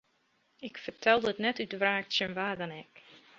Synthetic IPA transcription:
ɪkfərtʰɛlˠdəətnɛtytəʋraːktsənʋaːdɔnɛk

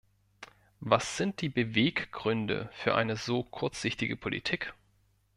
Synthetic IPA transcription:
vasz̥ɪnt̚d̥iːbəveːkɡ̥ʁʏndə̰fyːɐʔa̰ɪnəzoːkʰʊɐt͡sz̥ɪçtɪɡəpʰolḭtʰiːk

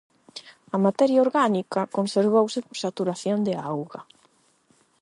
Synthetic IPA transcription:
ɐmat̪ɛɾjaoɾɣanikɐkonseɾβ̞owsɪposat̪uɾaθjond̪eawɣɐ

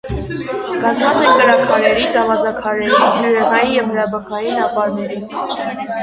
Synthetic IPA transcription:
ɡ̥ɑzvɑt͡sɛŋkəɾɑkʰɑɾɛɾit͡sɑvɑzɑkʰɑɾɛɾibjuɾɛʁɑjijɛvhəɾɑbəkɑjinɑpɑɾnɛɾit͡sʰ

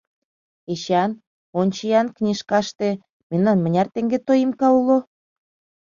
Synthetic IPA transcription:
eɕɑn | onʲt͡ɕijɑnknʲiʃkɑʃt̪e | memnɑnmə̆nʲɑrt̪eŋɡet̪ojimkɑulo

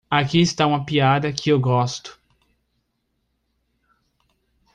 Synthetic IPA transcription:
akiɪst̪aũmɐpiad̪ɐkʰɪewɡɔst̪ʊ̥

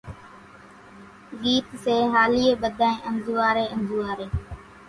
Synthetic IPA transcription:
ɠiːt̪seːɦaːliːeːɓəd̪ʱaːẽːʔənzuːaːɾeːənzuːaːɾeː

